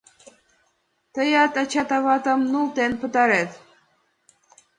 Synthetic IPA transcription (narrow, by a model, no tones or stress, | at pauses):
t̪ɤjɑt̪ɑt͡ɕɑt̪ɑβɑt̪ɤmnulˠt̪enpɤ̆t̪ɑɾet̪